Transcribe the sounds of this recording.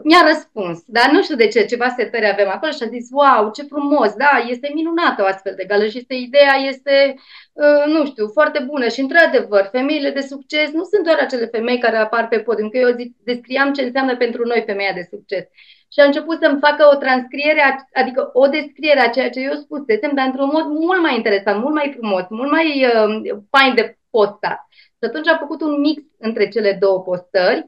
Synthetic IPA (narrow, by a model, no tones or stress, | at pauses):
mʲaɾəspunsd̪anuʃt̪iud̪e̞t͡ʃe̞t͡ʃe̞vaset̪eɾeavemako̞loʃiazitswawt͡ʃe̞fɾumo̞sd̪aje̞st̪e̞minunat̪əoast̪fe̞ld̪e̞ɡaləʃijest̪eid̪e̞aje̞st̪e̞ənuʃt̪iuwfoart̪e̞bunəʃiɨnt̪ɾad̪e̞vərfe̞me̞ile̞d̪e̞sukt͡ʃe̞snusunt̪d̪oaɾat͡ʃe̞le̞fe̞me̞jkaɾeaparpe̞pot̪ɨkəjeozikd̪e̞skɾiamt͡ʃe̞ɨnseamnəpe̞nt̪ɾuno̞jfe̞mejad̪e̞suk̚t͡ʃe̞s | ʃiaɨnt͡ʃe̞put̪səmfakəot̪ɾanskɾie̞ɾeaad̪ikəʔo̞d̪e̞skɾie̞ɾeat͡ʃe̞jat͡ʃe̞je̞spuse̞se̞md̪aɾɨnt̪ɾunmo̞d̪mult̪̚majint̪e̞ɾe̞sant̪mult̪majfɾumo̞smult̪majəpajnd̪e̞po̞st̪a̰t̪ | ʃiat̪unt͡ʃʲafəkut̪unmiksɨnt̪ɾe̞t͡ʃe̞le̞d̪o̞wəpo̞st̪ərʲ